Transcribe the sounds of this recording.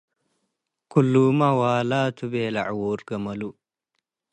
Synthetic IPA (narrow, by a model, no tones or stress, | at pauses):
kulːumawaːlaːt̪ʰubeːlɐʕwoːɾɡɐmɐlu